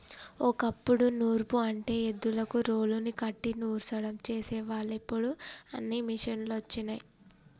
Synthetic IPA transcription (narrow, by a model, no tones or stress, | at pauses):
okɐpːuɽunuːɾpuɐɳʈe̞ːed̪ːulɐkuɾoːlunikɐʈːinuːɾsɐɽɐmt͡ʃeːsɛːʋaːɭepːuɽuɐ̰nːimiʂɐnluɐt͡ʃːinɐji